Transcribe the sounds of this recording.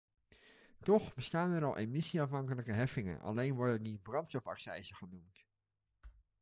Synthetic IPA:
tɔχbəstaːnɛɾɑlˠʔemɪsiɑfɦɑŋkələkəɦɛfɪŋə̰nʔɑ̰lejnʋɔɹdəndibrɑntstɔfɑ̰ksɛ̰jzəχənumt

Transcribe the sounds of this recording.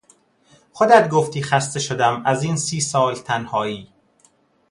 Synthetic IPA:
xod̪æd̪ɡoft̪iːxæst̪eʃod̪æmæziːnsiːsɒːlt̪ʰænhɒːiː

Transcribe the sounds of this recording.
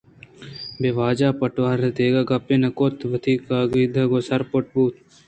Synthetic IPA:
beːʋaːd͡ʒaːpɐʈʋaːɾet̪eːɡaɡɐpːeːnɐkot̪ʰʋɐt̪ʰiːkaːɡiːd̪ɐɡoːsɐɾpoʈ̚buːt̪

